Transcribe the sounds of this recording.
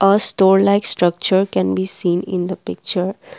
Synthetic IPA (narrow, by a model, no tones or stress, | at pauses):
ʔəsʈɔːɾlaɪksʈɾʌk̚t͡ʃəɾkɛ̃nbiːsĩːnɪ̃nd̪əpɪk̚t͡ʃəɾ